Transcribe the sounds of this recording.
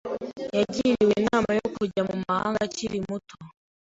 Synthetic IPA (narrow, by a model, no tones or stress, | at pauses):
jaɟiɾiwenaːmajokuɟamumaha̰ːŋɡaciɾimutʰo